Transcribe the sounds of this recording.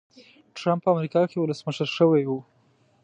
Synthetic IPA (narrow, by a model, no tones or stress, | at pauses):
ʈɾampːəamɾikɑkewʊləsməʃəɾʃəwajwu